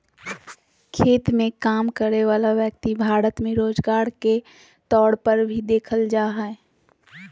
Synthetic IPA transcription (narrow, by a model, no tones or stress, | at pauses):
kʰeːt̪mẽkaːmkəɾeʋaːlaʋjək̚t̪ibʱaːɾət̪mẽɾoːd͡ʒɡaːɾke | t̪ɔːɽpəɾbʱid̪eːkʰəld͡ʒaːɦae